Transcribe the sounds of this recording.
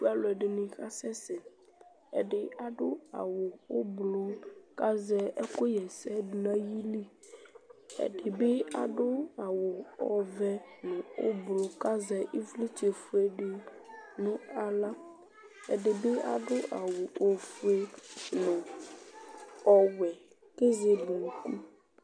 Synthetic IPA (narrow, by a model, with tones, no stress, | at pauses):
bu˦a˦lo˨ɛ˨ɖe˨nĩ˨ka˦sɛ˦sɛ˨ | ḛ˨ɖɪ˨a˨ɖo˦a̰˨wo˨wo˦blo˦ka˦zɛ˦e˦ko˦jɛ˨sɛ˦ɖnã˦ji˦li˦ | ḛ˨ɖɪ˨be˦a˨ɖo˦a˨wo˨ɔ̰˨vɛ˦nɛ̃˨o̰˦blo˦ka˦zɛ˦ʔi˦vli˦t͡ʃe˨fu˦e˦ɖe˨ | nũ˦a˨la˦ | e˨ɖe˨be˦a˨ɖo˦ʔa˨wo˨o˨fu˦e˦nẽ˨ | ɔ˨wɛ˨ | ke˦ze˦bu˨ku˦